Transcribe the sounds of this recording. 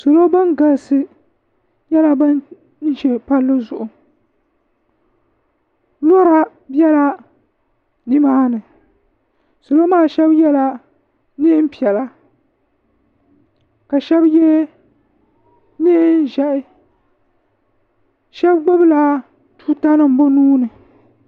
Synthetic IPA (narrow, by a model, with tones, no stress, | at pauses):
so˨lo˦ba˦nɡa˨lsɨ˦ | ɲɛ˦la˦bɨ˦n | n̩˦ʒɛ˨pa˦lːɨ˦zʊ˨ʔʊ˨ | lo˦ɾa˦ | bjɛ˦la˦ | nɨ˦maː˦nɨ˨ | so˨lo˦maː˦˨ʃɛ˦bjɛ˦la˦ | nɨ˦m̩˦pi˨ɛ˨la˦ | ka˨ʃɛ˦bjɛ˦ | nɪ˦n˦ʒɛ˦ʔɪ˦ | ʃɛ˦bɡ͡bo˦bɨ˦la˦ | tuː˦ta˦nɨ˦m̩˨bo˦nuː˦nɨ˨